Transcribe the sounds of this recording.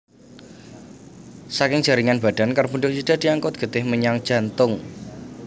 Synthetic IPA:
sakɪŋ̥ʒ̥a̤ɾiŋanb̥a̤ɖ̥a̤nkarbuɳɖʊk̚sid̥a̤d̪̥iaŋkʊt̪̚ɡ̥ə̤t̪ɪhməɲaŋd̥ʒ̥a̤nt̪ʊŋ

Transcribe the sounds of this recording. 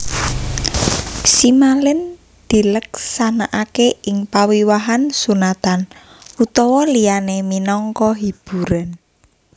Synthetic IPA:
simalɪn | d̪̥i̤ləksanaʔakeɪŋpawiwaɦansunat̪an | ut̪ɔwɔlianeminɔŋkɔɦib̥ṳɾan

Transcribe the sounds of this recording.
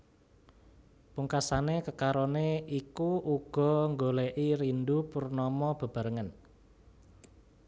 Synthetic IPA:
puŋkasanekəkaɾɔneikuʔuɡ̥ɔ̤ŋɡoleʔiɾind̪upurnɔmɔb̥a̤b̥a̤ɾəŋən

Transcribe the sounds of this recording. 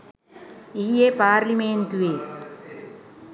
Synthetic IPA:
ijepaːɾliment̪uʋe

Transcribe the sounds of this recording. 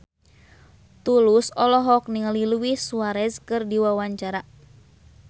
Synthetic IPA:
t̪ulusɔlɔɦɔk̚niŋəliluwihsuaɾɛskɨrdiwawaɲt͡ʃaɾa

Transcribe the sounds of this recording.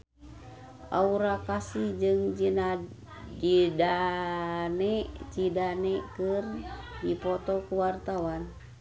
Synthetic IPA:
ʔa̰uɾakasid͡ʒɨŋd͡ʒina | d͡ʒida | nɛʔt͡ʃidanɛkɨr | dipɔt̪ɔkuwart̪awan

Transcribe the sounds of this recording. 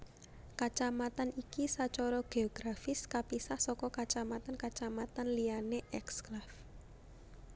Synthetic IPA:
kat͡ʃamat̪anikisat͡ʃɔɾɔɡ̥eɔɡ̥ɾafɪskapisahsɔkɔkat͡ʃamat̪ankat͡ʃamat̪anlianeʔɛksklaf

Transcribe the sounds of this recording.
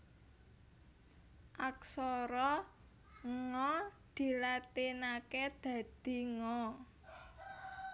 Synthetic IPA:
ʔaksɔɾɔ | ŋɔd̪̥i̤lat̪inaked̪̥ä̤d̪̥i̤ŋɔ

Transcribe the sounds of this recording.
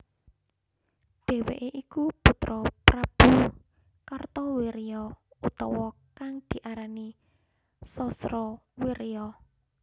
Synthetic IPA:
d̪̥ɛ̤wḛʔeʔikupṳt̪ɾɔpɾab̥ṳ | kart̪ɔweɾijɔut̪ɔwɔkaŋd̪̥i̤ʔaɾani | sɔsɾɔwiɾiɔ

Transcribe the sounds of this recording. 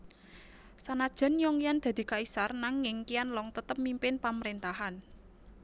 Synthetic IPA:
sanad̥ʒ̥ə̤njɔŋijand̪̥a̤d̪̥i̤kaisarnaŋɪŋkijanlɔŋt̪ət̪əp̚mimpɪnpaməɾent̪aɦan

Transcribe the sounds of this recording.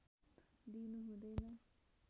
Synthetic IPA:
d̪inuɦũd̪ʌjnʌ

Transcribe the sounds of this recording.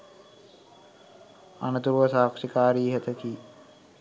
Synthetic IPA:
a̰nət̪uɾuʋəsaːkʂikaːɾiːɦət̪əki

